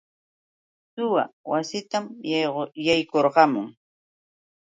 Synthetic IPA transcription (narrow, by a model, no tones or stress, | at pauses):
sʊwa̰wasɪt̪am | jajkoɾɢɑmʊŋ